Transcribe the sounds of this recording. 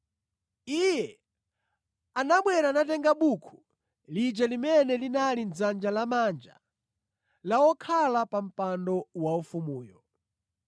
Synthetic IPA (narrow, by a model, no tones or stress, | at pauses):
ijɛ | anaɓwɛɾanatɛŋɡaɓukʰu̥ | lid͡ʒɛlimɛnɛlinalind͡zand͡ʒalamand͡ʒa̰ | lawɔkʰalapam̩pandɔwaufumuːjɔ